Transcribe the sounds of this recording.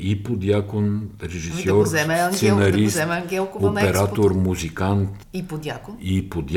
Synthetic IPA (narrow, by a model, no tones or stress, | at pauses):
ipod̪jakonɾɛʒissɔɾɛmssɛnɐɾisɛmɡɛlˠkopɛɾat̪oɾmuzikant̪ | ipd̪jak̪ipod̪j